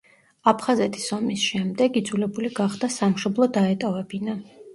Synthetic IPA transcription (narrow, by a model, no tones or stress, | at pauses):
apʰχazɛt̪ʰi̥sɔmisʃɛmd̪ɛɡid̪zulɛbuliɡaχd̪̥asamʃɔblˠɔd̪aɛt̪ʼɔvɛbina